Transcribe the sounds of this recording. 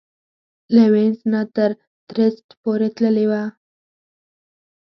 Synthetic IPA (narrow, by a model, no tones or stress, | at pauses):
lewensnat̪əɾ | d̪̥ɾəst̪poɾet̪ləlewa